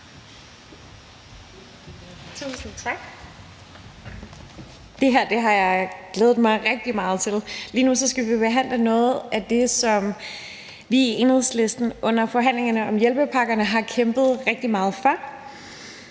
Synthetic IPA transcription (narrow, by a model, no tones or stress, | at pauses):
t͡sʰṵːsn̩t͡sʰɑɡ̥ | d̥e̝ɦæɐ̰d̥e̝ɦɑ̈jɑ̈ɪɡ̥leːð̩ˠmɑ̈ɪʁɛɡ̥̚d̥imɑ̈ːð̞̩ˠt͡sʰe̝lliːnusɒ̽sɡ̥æʋiʋb̥e̝ɦæn̰lənɔ̽ːð̩ˠæd̥e̝sɒ̽m | liːie̝nhe̝ð̰ˠsle̝sd̥n̩ʔɔ̽n̰ɐfɒ̽ɦæn̰le̝ŋɐnəɒ̽mjelb̥əpʰɑ̈ɡ̥ɐnəɦɑ̈kʰemb̥ð̞̩ˠʁɛɡ̥̚d̥imɑ̈ːð̞̩ˠfɶɐ